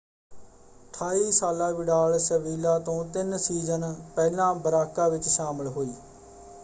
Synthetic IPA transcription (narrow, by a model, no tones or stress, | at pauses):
ʈʰaːiːsaːlãːʋɪɖaːlsəʋiːlaːt̪õːt̪ɪnsiːzənpɛːlãːbəɾaːkːaːʋɪt͡ʃʃaːməlɦoːiː